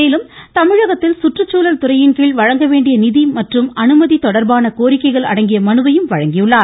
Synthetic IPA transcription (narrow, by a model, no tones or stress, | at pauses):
eːlɯmt̪ɐmɪɻɐɣɐt̪ːɪlsʊʈrɯt͡ʃːuːlɐlt̪ʊɾɐjɪnkiːɭʋɐɻɐŋɡɐʋeːɳɖɪjɐnɪðimɐʈrɯmɐnɯmɐðit̪ɔɽɐɾbaːnɐkoːɾɪkːɐɪɣɐɭɐ̰ɽɐŋɡɪjɐmɐnɯbɐjɯmʋɐɻɐŋɡɪjɯɭːaːɾ